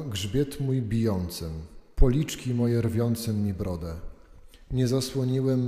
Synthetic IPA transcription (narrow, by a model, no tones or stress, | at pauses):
ɡʐbʲjɛt̪mujbʲijɔnt̪sɘmpɔlʲit͡ʂkʲimɔjɛɾvʲjɔnt̪sɛmɲibɾɔd̪ɛ | ɲɛzaswɔɲiwɛm